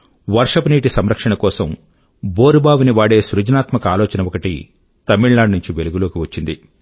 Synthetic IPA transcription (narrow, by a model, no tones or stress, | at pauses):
ʋɐɾʂɐpniːʈisɐmɾɐkʂɐɳɐkɔːsɐm | boːɾubaːʋuniʋaːɽe̞ːsɾud͡ʒɐnaːt̪mɐkɐaːloːt͡ʃɐnɐʋɔkɐʈḭ | t̪ɐmiɭnaːɖnuɲt͡ʃiʋeluɡuloːkiʋɐt͡ʃːind̪i